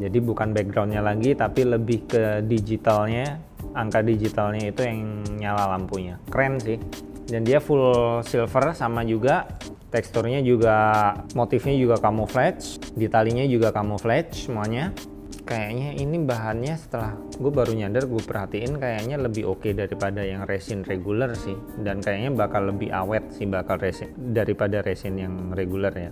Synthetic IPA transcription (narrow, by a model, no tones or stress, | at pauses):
d͡ʒadibukanbɛk̚ɡɾawnɲalaɡit̪apiləbɪhkədid͡ʒit̪alɲa | aŋkadid͡ʒit̪alɲait̪ujaŋŋɲalalampuɲakɾɛnsɪh | dandiafʊlsilfərsamad͡ʒuɡa | t̪ɛkst̪ɔrɲad͡ʒuɡamot̪ɪfɲad͡ʒuɡakamoflɛt͡ʃdit̪aliɲad͡ʒuɡakamuflɛt͡ʃsəmuaɲa | kajaʔɲaʔinibaɦanɲasə̥t̪əlah | ɡuabaɾuɲadarɡuapərɦat̪iɪnkajaʔɲaləbɪɦokedaɾipadajaŋresɪnreɡulərsɪh | dankajaʔɲabakalːəbɪ̰ɦa̰wɛt̪̚sɪhbakalresɪdaɾipadaɾesɪnjaŋreɡulɛrja